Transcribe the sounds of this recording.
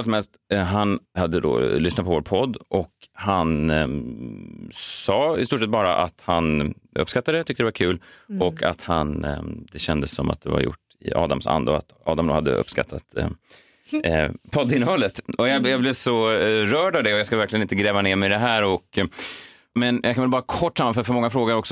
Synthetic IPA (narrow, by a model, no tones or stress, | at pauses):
als̬ɔmɛlst̪ɦanhad̪ːəd̪o̰lʏsnat̪̚pʰɔvoːɾpʰɔd̪ːʔɔkhan | sɑːɪ̰st̪uːʂɛt̪̚bɑːɾaʔat̪hanɵ̰pskat̪ːad̪ɛt̪ʰʏk̚t̪əd̪ɛvaɾkʰʉ̟ːlɔkʰa̰t̪hand̪ɛɕɛnd̪əsːɔma̰t̪̚d̪ɛva̰ɾjʊ̰ʈː | ɪ̰ɑ̰ːd̪amsa̰nd̪əa̰t̪ɑ̰ːd̪amd̪o̰ːhad̪ːə̰ʔɵ̰pːska̰t̪ʰːat̪ | pʰɔd̪ːɪnːəhɔlət̪ɔjɑjablɪvsɔɾœːɖavd̪ɛɔjaskavæɾklɪɡənɪnt̪əɡɾɛːvaneːɾmɛjd̪ɛɦæːɾɔk | mɛnjʔɑkʰanvɛlbɑːɾakʰɔʈːsamːafœɾfœɾmɔŋːafɾoːɡəɾɔksɔ